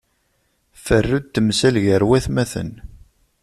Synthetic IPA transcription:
fərːud̪̚t̪ːəmsælʝəɾwæθmæθə̰n

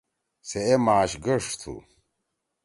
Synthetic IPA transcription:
seemaːɕɡɐʂt̪ʰṵ

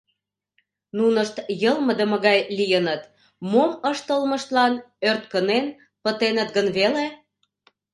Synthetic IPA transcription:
nunəʃt̪jəlməd̪əməɣɑjlijənət̪ | moməʃt̪əlməʃt̪lɑn | ørt̪̚kənen | pət̪enət̪̚ɡənβele

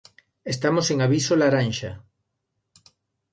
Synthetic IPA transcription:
est̪amoseŋaβisolaɾanʃa

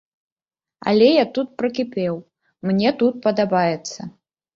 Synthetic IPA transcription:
ɐ̰lʲɛjat̪ut̪̚pɾɐkʲipʲɛw | mnʲɛt̪ut̪̚pɐd̪abajɛt̪sːɐ

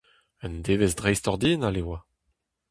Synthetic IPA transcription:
ɛnd̪eːvezdʁɛjstɔʁd̪iːnalewa

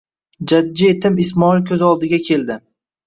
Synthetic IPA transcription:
d͡ʒadːiet̪ʰɪmɪsmɒilkʲʰɵzɒlˠd̪ɪɡʲakʲʰe̞ld̪ɪ

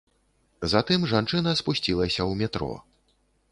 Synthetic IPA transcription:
zat̪ɨmʐant͡ʂɨnɐspusʲt͡sʲilˠɐsʲɐwmʲɛt̪ɾɔ̰

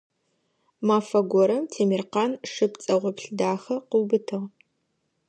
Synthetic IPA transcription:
maːfɐɡʷɔɾɐmtʰeːmirqaːnʂɨpt͡sʼɐʁʷɔpɬdaːxɐqʷuwbɨtʰɨʁ

